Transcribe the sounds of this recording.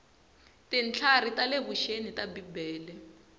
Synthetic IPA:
tint͡ɬʰaritaleβuʃenitabibɛːlɛ

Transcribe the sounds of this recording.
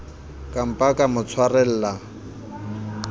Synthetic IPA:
kʼam̩pʼakʼamʊt͡sʰwarɛl̩ːla

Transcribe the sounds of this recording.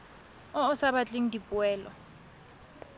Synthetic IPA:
ɔɔsaβat͡ɬʼiŋ̩dipʼuɛːlɔ̰

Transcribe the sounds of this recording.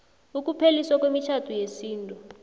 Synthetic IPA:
uk̬ʼupʰeliswak̬wemit͡ʃʰatʰujesiːntʼu

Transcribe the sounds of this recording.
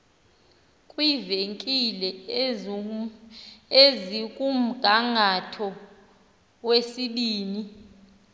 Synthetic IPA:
kʼwiveŋkʼilɛ | ezikʼum̩ɡ̥ʱaŋʱatʰɔ | wesiɓiːni

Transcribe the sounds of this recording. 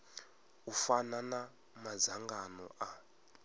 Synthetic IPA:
ufanana | mazaŋɡanɔ̰ʔa

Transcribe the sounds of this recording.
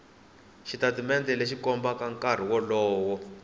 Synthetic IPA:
ʃitatimɛndɛleʃikɔmbakaŋkar̤iwɔlɔːwɔ

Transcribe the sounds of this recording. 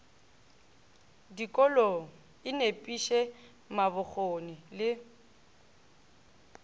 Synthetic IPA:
dikʼɔlɔ | ɪnepʼiʃɛ | mabʊk͡xʰonɪlɪ

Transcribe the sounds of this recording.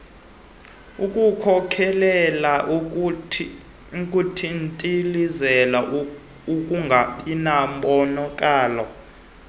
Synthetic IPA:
ukʼukʰɔkʰɛlɛlaʔ | kʼutʰintʼilizɛla | ukʼuŋʱapinamɓɔnɔkʼaːlɔ̰

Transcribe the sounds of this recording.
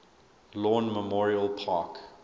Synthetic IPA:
lɔ̃ːnməmɔɹiəlˠpʰɑːˑk

